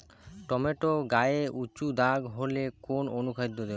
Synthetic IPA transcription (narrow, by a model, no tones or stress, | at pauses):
ʈɔmeʈoɡaeʔut͡ɕud̪aɡɦolekononukʰad̪ʱːod̪e